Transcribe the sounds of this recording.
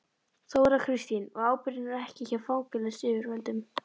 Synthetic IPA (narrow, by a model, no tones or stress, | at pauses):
θowɛɾakʰɾɪst̪inɔɣaːwpɪɾɪnvaɾɛhcɪçaɾfawkʏlɛsɪːvʏɾvɛlt̪ʏm